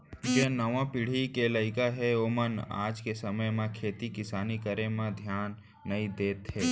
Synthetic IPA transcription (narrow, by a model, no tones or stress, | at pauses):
d͡ʒenəʋãpɪɽ̤ikeləɪkaɦɛoməna̰ːd͡ʒkesəməjmẽkʰeːt̪ikɪsaːnikəɾemẽd̪ʱjaːnː | əĩd̪eːt̪ɦeː